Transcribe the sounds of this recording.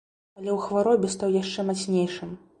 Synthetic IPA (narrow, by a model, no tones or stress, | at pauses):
ɐlʲɛwxvaɾɔbʲɛst̪awjaʂt͡ʂɛmasʲnʲejʂɨm